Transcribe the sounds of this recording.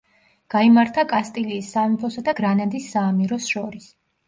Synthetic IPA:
ɡ̥aimaɾt̪ʰakʼast̪ʼiliːsːaupʰɔsad̪aɡɾanad̪isːaːmiɾɔsʃɔɾis

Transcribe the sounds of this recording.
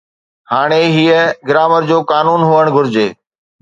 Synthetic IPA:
haːɽ̃eɦiːəɡɪɾaːməɾd͡ʑoːkaːnuːnɦuəɽ̃ɡʱʊɾd͡ʑeː

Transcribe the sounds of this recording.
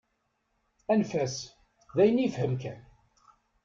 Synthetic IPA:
ænfæs | ðæjənijfhəmkæn

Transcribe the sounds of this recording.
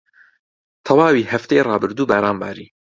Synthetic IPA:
t̪ʰɛwɑːwiːhæft̪eeːrɑːbɨɾd̪uːbæːɾɑːnbɑ̰ːɾiː

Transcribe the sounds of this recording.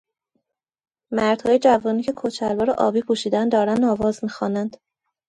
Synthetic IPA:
mæɾd̪̥hɒːjed͡ʒævɒːniːcʰe̞kʰot͡ʃʰælbɒːɾɒʔɒ̰ːbiːpʰuʃiːd̪ænd̪ɒːɾænd̪ɒːvɒːzmiːxɒːnænd̪̥

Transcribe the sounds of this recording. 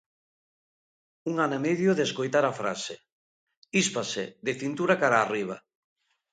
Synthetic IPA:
uŋanemeðjoðeskojt̪aɾafɾa̰se | ispaseðɪfint̪uɾakaɾaːriβ̞a

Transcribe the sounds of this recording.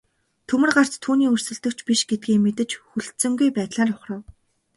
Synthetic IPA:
t̪ʰɵmɘ̆rɢar̥t͡st̪ʰuːniːɵr̥sɵ̆ɮt̪ɵ̆kt͡ɕpiʃɡet̪̚ɡiːmet̪ɘ̆t͡ɕxuɮt̪sɘ̆ŋɡujpæːt̪ɮaːrʊχrə̆w

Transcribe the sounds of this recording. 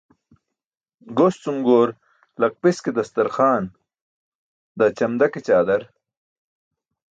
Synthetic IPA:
ɡost͡sumɡoːɾ | lɐk̚pisked̪ɐst̪ɐɾxaːn | d̪at͡ɕɐmd̪ɐket͡ɕaːd̪ɐɾ

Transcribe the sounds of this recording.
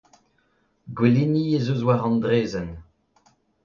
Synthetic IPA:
ɡweliniezozwaʁɑ̃nd̪ʁeːzɛn

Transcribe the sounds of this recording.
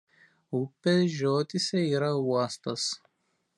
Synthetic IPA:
upʲːeʒʲoːt̪ʲɪsʲɛiːɾɐuɔst̪ɐs

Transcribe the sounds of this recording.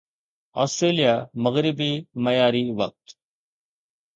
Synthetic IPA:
ɔ̰ːsʈɾeːlijaːməɣɾɪbiːməjaːɾiːʋək̚t̪

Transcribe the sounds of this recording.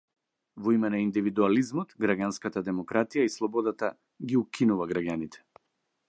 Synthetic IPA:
vɔimɛnaind̪ivid̪ualizmɔt̪ɡɾaɡʲanskat̪ad̪ɛmɔkɾat̪ijaislˠɔbɔd̪at̪a | ɡiukʰinuvaɡɾaɡʲanit̪ʰɛ̥

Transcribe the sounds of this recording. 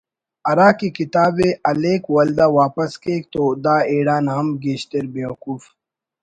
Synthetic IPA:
ɐɾaːkikit̪aːbeʔɐleːkwɐld̪aːwaːpɐskeːk̚t̪oːd̪aːeːɽaːnaːmɡeːʃt̪eɾbeːwɐkuːf

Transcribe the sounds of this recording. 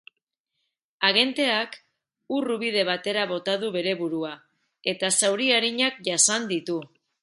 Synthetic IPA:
aɣ̞e̞nt̪e̞ak | uruβið̞e̞β̞at̪e̞ɾaβ̞o̞t̪aðuβe̞ɾe̞βuɾua | e̞t̪asawɾiaɾiɲak̚ʝasand̪it̪u

